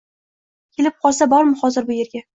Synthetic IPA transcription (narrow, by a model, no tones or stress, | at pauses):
kʲʰe̞lɪp̚qʰɒlˠsabɒɾmɪχɒzɪɾbʊje̞ɾɡʲa